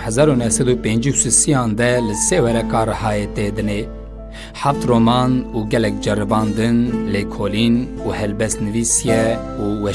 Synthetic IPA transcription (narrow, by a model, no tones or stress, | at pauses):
hɛzɑːɾunɛhsɛd̪uːpẽːnd͡ʒusisijɑ̃ːnd̪ɛlɨseːwɛɾɛkɑːɾɐhɑːet̪eːd̪ɨneː | ħaft̪roːmɑːnuːɡɛlɛk̚d͡ʒɛɾɨbɑ̃ːnd̪ɨnleːkʰoːliːn | uːhɛlbɛst̪nɨviːsijɛuːwɛ